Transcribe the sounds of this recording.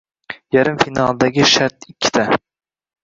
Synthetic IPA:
jaɾɪmfinɑlˠd̪aɡʲɪʃaɾt̪ɪkʲʰːɪ̥t̪ʰa

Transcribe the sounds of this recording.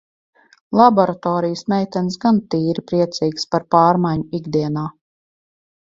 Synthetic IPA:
lˠabɔɾat̪ɔːɾijəsmʲɛjt̪ɛns̬ɡant̪iːɾipɾiɛt̪siːkspaɾpaːɾmajɲuiɡd̪iɛnaː

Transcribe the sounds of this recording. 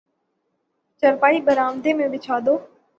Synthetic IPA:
t͡ʃəɾpaːiːbəɾaːʋd̪eːmẽʋɪt͡ʃʰaːd̪oː

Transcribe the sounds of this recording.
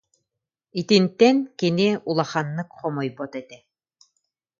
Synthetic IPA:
it̪int̪ɛnkiniulˠaχanːɯkχɔmɔjbɔt̪ɛt̪ɛ

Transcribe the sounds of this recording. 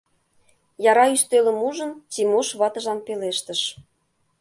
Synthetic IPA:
jɑɾɑyst̪ølə̆muʒə̆nt͡simoʃβɑt̪ə̆ʒɑnpeleʃt̪əʃ

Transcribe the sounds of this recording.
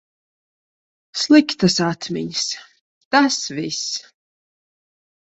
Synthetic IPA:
slˠɨkʲt̪ʰasat̪ʰmʲɛ̰ɲʲs | t̪asvis

